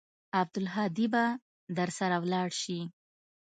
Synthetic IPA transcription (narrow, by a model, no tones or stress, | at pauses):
ab̚d̪ʊlɦɑd̪iba | d̪əɾsaɾawlɑɽʃi